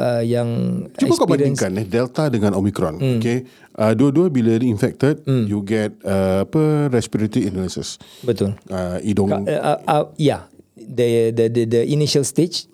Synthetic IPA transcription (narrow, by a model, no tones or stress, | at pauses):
ʔəjãŋt͡ʃuɛbəkabaɾĩŋkanɛdɛlt̪adəŋãnomikɾɔ̃noke | ʔəduəduəbiləɾiinfɛk̚t̪əd̚juɡɛt̚əapəɾɛspiɾət̪iinləsə̰sbət̪ʊləidɔ̃ŋaʔajadədədədəʔiniʃəlst̪et͡ʃ